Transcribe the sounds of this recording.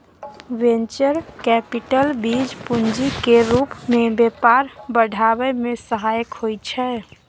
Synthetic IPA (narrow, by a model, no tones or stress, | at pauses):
ʋent͡ʃəɾkɛpiʈəlbid͡ʒpund͡ʒikeɾupmebepaɾbəɖʱabɛmesəɦajəkɦojt͡ʃʰɛ